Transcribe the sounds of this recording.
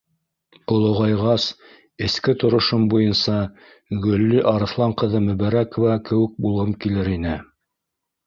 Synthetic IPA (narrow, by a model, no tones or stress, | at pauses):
olˠŏʁɑjʁɑs | ɘ̆skɘt̪ŏɾŏʃombujɤnsɑ | ɡɵ̆lːiʔɑɾɤ̆θlˠɑɴqɤ̆ðɤmɵ̆βæɾækŏvɑkɘ̆wɘ̆k̚bulˠʁɤmkilɘɾinɘ